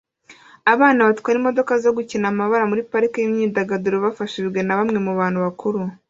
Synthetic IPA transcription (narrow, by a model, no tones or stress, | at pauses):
aβaːnaβatkwaːɾimo̞do̞kazo̞ɡucinamaβaɾamuɾipaɾikajimɲidaɡaduɾoβafaʃid͡ʒɡe̞naβamŋe̞muβaːn̥huβakʰuɾu